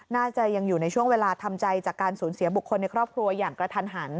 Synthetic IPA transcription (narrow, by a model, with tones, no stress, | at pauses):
naː˥˩t͡ɕa˨˩ja˧ŋjuː˨˩na˧jt͡ɕʰu˥˩əŋweː˧laː˧t̪ʰa˧mt͡ɕa˧jt͡ɕaː˨˩kːaː˧nsuː˩˦nsi˨˩˦bu˨˩kʰːo˧nːa˧jkʰɾɔː˥˩p̚kʰɾu˧ɐjaː˨˩ŋkɾa˧t̪ʰa˧nɦaː˩˦n